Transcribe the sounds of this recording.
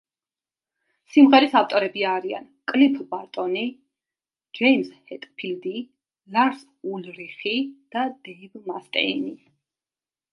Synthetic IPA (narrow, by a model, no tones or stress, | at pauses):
simʁɛɾisaft̪ʼɔɾɛbiaɾia̰nkʼlipʰbaɾt̪ʼɔni | d͡ʒɛimshɛt̪ʼpʰild̪i | laɾs | ulɾiχid̪̥ad̪ɛibmast̪ʼɛ̰ḭni